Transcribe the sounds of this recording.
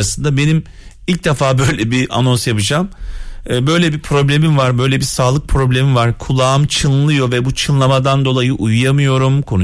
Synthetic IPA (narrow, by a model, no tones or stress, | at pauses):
asɯnd̪abe̞nim | ilʲkc̚d̪ɛfaːbø̞jlʲɛbiʔa̰no̞nsjapɯd͡ʒamː | bø̞jlʲɛbipʰɾo̞blʲe̞mimvaɾbø̞jlʲɛbisaːlˠɯk̚pʰɾo̞blʲe̞mivaɾkʰulˠaːɯmt͡ʃʰɯnllˠɯjo̞vɛbut͡ʃʰɯnlˠamad̪and̪o̞lˠajɯʔujujamɯjo̞ɾumkʰo̞nu